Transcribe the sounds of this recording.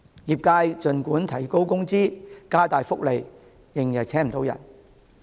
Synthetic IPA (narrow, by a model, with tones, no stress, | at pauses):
jiː˨˩p̚kaː˧jt͡sɵ˨˧nkuː˨˥nt̪ʰɐ˨˩jko˥wkʊ˥ŋt͡siː˥kaː˥t̪aː˨jfʊ˥k̚le˨jː | ɪ˨˩ŋjɐ˨˩j̚t͡sʰɛː˥ŋm̩˨˩t̪o˨˧˥wjɐ̰˨˩n